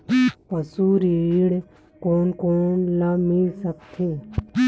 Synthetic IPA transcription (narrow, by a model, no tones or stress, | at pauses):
pəsuɾiiɽ | koːnkoːnlamisəkt̪ʰe